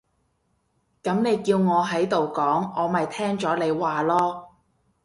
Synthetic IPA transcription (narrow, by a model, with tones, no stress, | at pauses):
kɐ˨˥mne˨˧jkiː˧wŋɔː˨˧ɦɐ˨˥jt̪o˨wkɔː˨˥ŋɔː˨˧mɐ˨jt̪ʰɛː˥ŋt͡ʃɔː˨˥le˨˧jwaː˨lɔː˥